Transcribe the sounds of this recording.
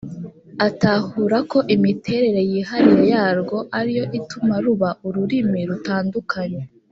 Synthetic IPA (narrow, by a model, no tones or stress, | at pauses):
atahuːɾako̞ʔimitʰe̞ːɾe̞ɾe̞jiːɦaɾiɾojaːɾɡo̞ʔaɾijo̞ʔitumaɾuβaʔuɾuɾimiɾutaːndukʰaɲe